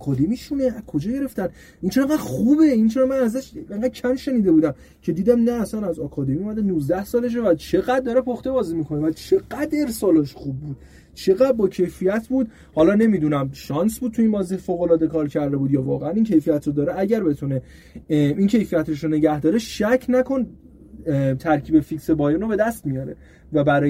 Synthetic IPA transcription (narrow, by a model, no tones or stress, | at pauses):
ɒkʰɒːd̪e̞miːʃuneækʰo̞d͡ʒɒːɟe̞ɾe̞ft̪æn | ʔint͡ʃʰeɡæd̪̥xuːbeint͡ʃʰeɾɔmænæzæʃeŋɡæd̪̚cʰæmʃe̞niːd̪e̞buːd̪æm | cʰe̞d̪iːd̪æmnæːsænæzɒkʰɒːd̪e̞miomæd̪enuːzd̪æhsɒːle̞ʃ̬evæt͡ʃʰe̞ɣæd̪̚ːɒɾepʰoxt̪ebɒːzimikʰo̞nevæt͡ʃʰe̞ɣ̥æd̪e̞ɾsɒːlɒʃχubːuːd̪̥̚ | t͡ʃʰe̞ɣæd̪̚bɒːcʰe̞jfijæt̪ʰbuːd̪̚ | hɒːlɒːne̞miːd̪unæmʃɒːnsbud̪̚t̪ʰuiːnbɒːzihfoɣo̞lɒːd̪e̞kʰɒːɾcʰæɾd̪e̞buːd̪jɒːvɒ̰ːɣeænincʰe̞jfijæt̪ɾod̪ɒːɾeæɟæɾbe̞t̪ʰune | incʰe̞jfijæt̪ɾoʃone̞ɟæhd̪ɒːɾeʃæcʰnækʰo̞n | t̪ʰæɾcʰiːbe̞fiksebɒːjenobe̞d̪æst̪mijɒɾḛ | væbæɾɒː